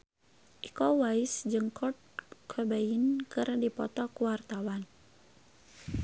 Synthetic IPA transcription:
ʔikɔwaɪsd͡ʒɨŋkʰɔt̪̚kʰəbainkɨrdipɔt̪ɔkuwart̪awan

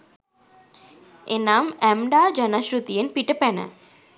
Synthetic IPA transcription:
enaːmɛmɖaːd͡ʒɐnɐʃɾut̪ijenpiʈəpɛnə̰

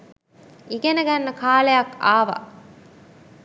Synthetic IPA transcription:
iɡenɐɡɐnːɐkʰaːlejɐkaːʋɐ̰

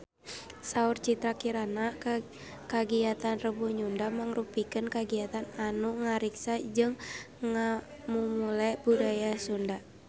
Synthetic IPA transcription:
saurt͡ʃit̪ɾakiɾana | kaɡiat̪anrəbuɲundamaŋrupikɨnkaɡiat̪ananuŋaɾiksad͡ʒɨŋ | ŋamumulabudajasunda

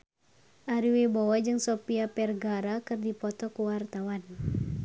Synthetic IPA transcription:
ʔaɾiwibɔwad͡ʒɨŋsɔpiapɛrɡaɾakɨrdipɔt̪ɔkuwart̪awan

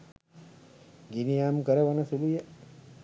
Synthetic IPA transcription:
ɡinijaːmkɐɾɐʋɐnɐsuluja

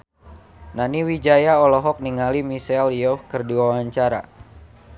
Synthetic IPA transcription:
naniwid͡ʒajaɔlɔɦɔk̚niŋalimisɛljɔhkərdiwawaɲt͡ʃaɾa̰

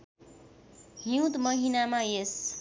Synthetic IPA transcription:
ɦĩw̃t̪mʌɦinamajes

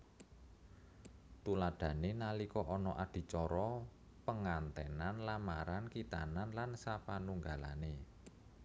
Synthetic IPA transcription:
t̪ulad̥ä̤nenalikɔʔɔnɔʔad̪̥i̤t͡ʃɔɾɔ | pəŋant̪ɛnanlamaɾankit̪ananlansapanuŋɡala̰ne

